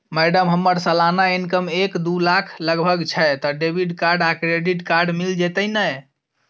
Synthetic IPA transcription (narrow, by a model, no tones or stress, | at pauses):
mɛɖəmɦəmːəɾsəlanainkəmekd̪ulakʰləɡbʱəɡt͡ʃʰɛjt̪ɔɖebʱiɖkaɾɖakɾeɖiʈkaɾɖmild͡ʒet̪əjnəj